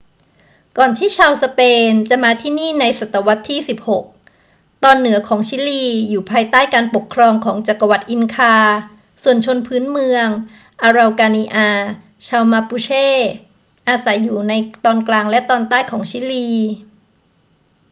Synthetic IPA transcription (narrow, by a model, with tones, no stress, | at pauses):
kɔː˨˩nt̪ʰiː˥˩t͡ɕʰaː˧wsa˧peː˧nt͡ɕa˨˩maː˧t̪ʰiː˥˩niː˥˩na˧jsa˨˩t̪ːa˧wa˦˥t̪ʰːiː˥˩si˨˩p̚ho˨˩k̚ | t̪ɔː˧nːɯ˩˦ɐkʰɔː˩˦ŋt͡ɕʰiː˦˥liː˧juː˨˩pʰaː˧jt̪aː˥˩jkaː˧npo˨˩kʰːɾɔː˧ŋkʰɔː˩˦ŋt͡ɕa˨˩kːa˧wa˨˩t̪̚ʔi˧nkʰaː˧ | su˨˩ənt͡ɕʰo˧npʰɯː˦˥nmɯ˧əŋ | ʔaː˧ɾa˧wkaː˧niː˧ʔaː˧ | t͡ɕʰaː˧wma˧puː˧t͡ɕʰeː˥˩ | ʔaː˧sa˩˦jːuː˨˩na˧jt̪ɔː˧nklaː˧ŋlɛ˦˥t̪ɔː˧nt̪aː˥˩jkʰɔː˩˦ŋt͡ɕʰiː˦˥liː˧